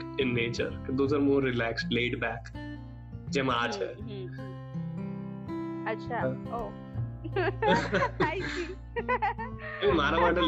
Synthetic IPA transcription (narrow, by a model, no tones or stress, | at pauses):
ɪnːeːt͡ʃə̰ɾkd̪uːsəɾmũːɾɪlɛːksʈleːɖbɛːk | d͡ʒemaːd͡ʒɛ̰ | ɐtːʃʰaoː | aki | emaːɾamãːʈə